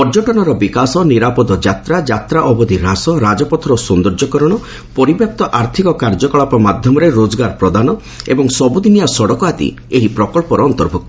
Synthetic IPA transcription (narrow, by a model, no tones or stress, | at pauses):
pɔɾd͡ʒɔʈɔɽ̃ɔɾɔbikasɔniɾapɔd̪ɔd͡ʒat̪ɾad͡ʒat̪ɾaʔɔbɔd̪iɾasɔɾad͡ʒɔpɔt̪ʰɔɾɔsund̪ɔɾd͡ʒɔkɔɾɔɽ̃ɔ | pɔɾibjap̚t̪ɔʔaɾt̪ʰikɔkaɾd͡ʒɔkɔɭapɔmad̪ʱjɔmɔɾeɾod͡ʒɔɡaɾpɾɔd̪anɔ | ebɔŋsɔbud̪inijasɔɽɔkɔat̪ḭ | eɦipɾɔkɔɭpɔɾɔːnt̪ɔɾbʱuk̚t̪ɔ